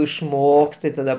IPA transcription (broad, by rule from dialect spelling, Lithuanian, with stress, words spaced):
ɪʃˈmoːkst tɐɪ tɐˈdɐ